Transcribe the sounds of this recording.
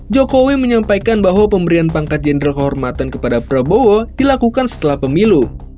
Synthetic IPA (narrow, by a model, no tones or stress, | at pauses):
d͡ʒokowiməɲampajkanbaɦwapəmbəɾianpaŋkat̪̚d͡ʒɛndɾalkəɦɔrmat̪ankəpadapəɾabowodilakukansə̥t̪əlahpəmilu